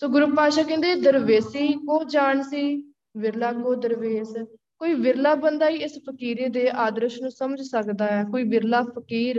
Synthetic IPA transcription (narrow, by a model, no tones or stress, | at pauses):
soːɡʊɾupːaːʃaːkɛ̃ːnd̪eːd̪əɾʋeːsiːkoːd͡ʒaːɳsiː | ʋɪɾlaːɡoːd̪əɾʋeːs | koːiːʋɪɾlaːbənd̪aːiːɪspʰəkiːɾeːd̪eːʔaːd̪ɾəʃnũːsəməd͡ʒsəkd̪aːɛːkoːiːʋɪɾlaːpʰəkiːɾ